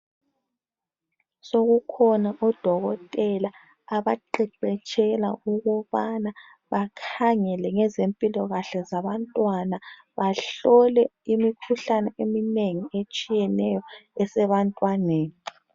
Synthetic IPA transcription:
soɣukʰɔnaʔɔd̥ʱɔɣɔtʼɛlaː | βaǃɛǃɛt͡ʃʼʰɛlauɣuβana | βakʰaŋɛlɛŋɛzempʼilɔɣaɬɛzaβantʼwana | βaɬɔlɛimikʰuɬanɛʔemineŋiet͡ʃʼijɛnɛjɔɛsɛβantʼwaneːni

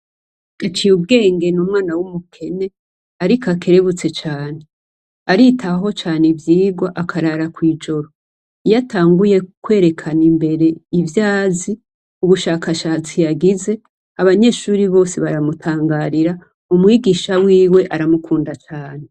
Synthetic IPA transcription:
ɡ̥at͡ʃijubɡe̞ːŋɡe̞numŋaːnawumukʰe̞ne̞ | aɾikakʰe̞ɾe̞βut͡se̞t͡ʃaːne̞ | aɾitʰaɦo̞t͡ʃaːnevjiːɡwaʔakʰaɾaɾakwiːd͡ʒo̞ɾo̞ | ijatʰaːŋɡuje̞kwe̞ːɾe̞kʰanimbe̞ɾe̞ivjaːzi | uβuʃaːkaʃaːt͡sijaɡize | aβaɲe̞ːʃuːɾiβo̞ːseβaɾamutʰaːŋɡaːɾiɾa | umŋiːɡiʃawiːwe̞ʔaɾamukʰuːndat͡ʃaːne̞

